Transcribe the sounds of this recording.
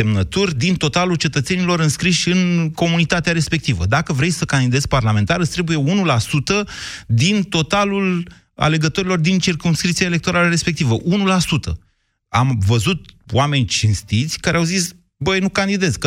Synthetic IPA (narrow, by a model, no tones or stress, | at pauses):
emnət̪urʲd̪int̪o̞t̪alult͡ʃe̞t̪ət̪se̞nilo̞ɾɨnskɾiʃʲɨnko̞munit̪at̪eaɾe̞spe̞k̚t̪ivə̰d̪akəvɾe̞jsəkand̪id̪e̞zʲparlame̞nt̪aɾɨst̪ɾe̞buje̞unulasut̪əd̪int̪o̞t̪alul | a̰le̞ɡət̪o̞ɾilo̞rd̪int͡ʃirkumskɾip̚t̪siaele̞k̚t̪oɾaləɾe̞spe̞k̚t̪ivəʔunulasut̪ə̰ | amvəzut̪wame̞nʲt͡ʃinst̪it̪sʲkaɾʔeawzis | bəjnukand̪id̪e̞zʲkə